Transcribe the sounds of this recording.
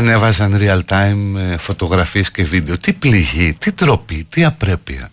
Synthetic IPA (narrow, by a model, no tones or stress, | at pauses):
ɐne̞vɐzɐnɾiɐlt̪ɐimfo̞t̪o̞ɣɾɐfiesce̞vid̪e̞o̞t̪ipliʝit̪it̪ɾo̞pit̪iɐpɾe̞piɐ̰